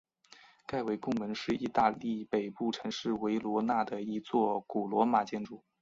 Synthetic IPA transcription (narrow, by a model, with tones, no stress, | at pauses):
ka˥˩ɪwe˧˥ɪkʊ˥˩˧ŋmə˧˥nʂɻ̩˥˧i˥˧t̪a˥˧li˥˩pe˨˩ɪpu˥˩ʈ͡ʂʰɤ˧˥ŋʂɻ̩˥˩we˧˥ɪlwɔ˧˥na˥˩d̪ə˩i˧˥t͡swɔ˥˩ku˨˩lwɔ˧˥ma˨˩t͡ɕjɛ˥˧nʈ͡ʂu˥˩˦